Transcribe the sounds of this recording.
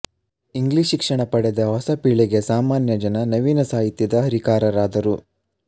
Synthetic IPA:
iŋɡliːʃikʂɐɳɐpɐɽed̪ɐɦɔsɐpiːɭeɡe̞saːmaːnjɐd͡ʒɐnɐnɐʋiːnɐsaːɦit̪ːjiɐd̪ɐɦɐɾikaːɾɐɾaːd̪ɐɾu

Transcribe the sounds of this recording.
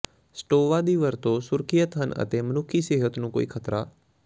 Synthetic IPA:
sʈoːʋaːd̪iːʋəɾt̪õsʊɾkʰijət̪ɦənə̰t̪eːmənʊkʰiːseːɦət̪nũːko̰ːiːkʰət̪ɾaː

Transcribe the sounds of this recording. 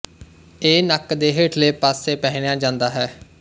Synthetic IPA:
eːnəkd̪eːɦeːʈʰleːpaːseːpɛːɦɽjãːd͡ʒãːnd̪aːɦɛː

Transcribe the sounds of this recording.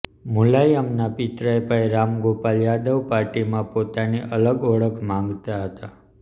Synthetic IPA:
mulajəmnapɪt̪ɾajpajɾamɡopaljad̪əʋpaɾʈimãpot̪aniʔələɡɔɭəkʰmãŋɡt̪aɦət̪a

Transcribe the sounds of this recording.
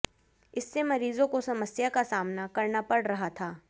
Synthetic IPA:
ɪsːemɐɾiːzõkosɐməsjakasaːmnakɐɾnapɐɽɾɐɦat̪ʰaː

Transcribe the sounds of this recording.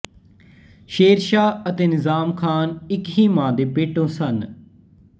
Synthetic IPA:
ʃeːɾʃaːət̪eːnɪzaːmkʰaːnɪkɦiːmãːd̪eːpeːʈõːsən

